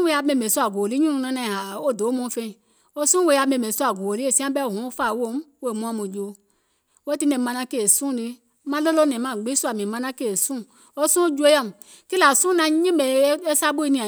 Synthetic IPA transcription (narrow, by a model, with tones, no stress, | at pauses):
we˦a˧mẽ˧˨me˨su˦a˨ɡu˨o˨li˦ɲũ˦nũ˨˧nã˧˦nã˧˨a˨o˦˨do˨˦mõ˧˦fe˧˨ | o˦sũ˦we˧˦˨a˨˧mẽ˨me˨su˦a˨ɡu˨o˨li˦e˨sĩ˦ã˦bɛ˦o˨ɦũ˨˦fa˦˨wo˦m˦we˨mũ˨˦ã˦mũ˨d͡ʒo˨˦ | we˦ti˦nɛ̃˨mã˧nã˧˦ke˦˨sũ˦˨li˧˦ | mã˦le˦lo˦nɛ̃˨mã˨ɡ͡be˦su˦a˨mĩ˨mã˧˦nã˦ke˦˨sũ˦˨ | o˦sũ˦d͡ʒu˦e˦a˦˨m˨ | ki˦la˨sũ˦nã˧˦ɲĩ˦me˨˦e˦sa˦bo˦i˦nĩ˧˨ã˨